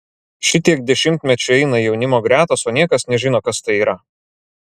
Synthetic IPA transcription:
ʃʲɪt̪ʲiɛk̚d̪ʲɛʃʲɪmʲt̪ʲmʲɛt͡ʃʲʊɛɪnɐjɛʊnʲɪmoːɡɾʲæːt̪oːsoːnʲiɛkɐsnʲɛʒʲɪnoːkɐst̪ɐɪiːɾɐ

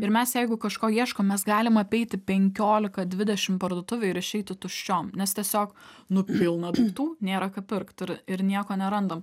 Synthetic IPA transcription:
ɪɾmʲɛsjɛɪɡʊkɐʃkoːjiɛʃkoːmʲɛsɡɑːlʲɪmɐpʲɛɪt̪ʲɪpʲɛŋʲkʲoːlʲɪkɐd̪ʲʋʲɪd̪ʲɛʃʲɪmpɐɾd̪oɔt̪ʊʋʲɛɪɪɾɪʃʲɛɪt̪ʲɪt̪ʊʃʲt͡ʃʲoːmnʲɛst̪ʲiɛsʲoːk | nʊpʲɪlˠnɐdut̪uːnʲeːɾɐkɐpʲɪɾkt̪ɪɾɪɾnʲiɛkoːnʲɛɾɐnd̪ɐm

